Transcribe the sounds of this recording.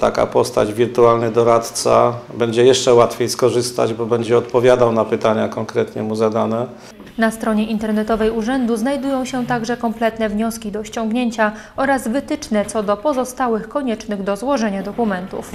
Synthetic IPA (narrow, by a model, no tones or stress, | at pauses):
t̪a̰ka̰pɔst̪a̰d͡ʑvʲiɾt̪ualnɘd̪ɔɾat̪t̪sa̰bɛɲd͡ʑɛjɛʂt͡ʂɛwat̪fʲjejskɔʐɘst̪a̰d͡ʑbɔbɛɲd͡ʑɛɔt̪pɔvʲjad̪awnapɘt̪aɲakɔŋkɾɛt̪ɲɛmuzad̪anɛ | nast̪ɾɔɲɛʔint̪ɛɾnɛt̪ɔvɛjuʐɛnd̪uznajd̪ujɔ̃w̃ɕɛt̪aɡʐɛkɔmplɛt̪nɛvɲɔskʲid̪ɔɕt͡ɕɔ̃ŋɡɲeɲt͡ɕa | ɔɾazvɘt̪ɘt͡ʂnɛt̪sɔd̪ɔpɔzɔst̪awɘxkɔɲɛt͡ʂnɘɣd̪ɔzwɔʐɛɲad̪ɔkumɛnt̪ṵf